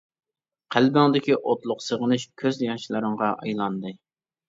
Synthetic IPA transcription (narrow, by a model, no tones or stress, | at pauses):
qʰælbɪŋd̪ɪkʲiʔot̪lˠʊqsəʁənɨʃkʲʰøzjɑʃlˠɨɾɨɴʁɑʔɑjlˠɑnd̪ɨ